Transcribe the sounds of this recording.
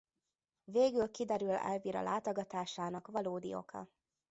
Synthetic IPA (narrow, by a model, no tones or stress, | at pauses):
veːɡylkid̪ɛɾylɛ̰lviːɾɒ̰lʔaːt̪o̞ɡɒt̪aːʃaːnɒkʋɒloːd̪ḭo̞̰kʰɒ̰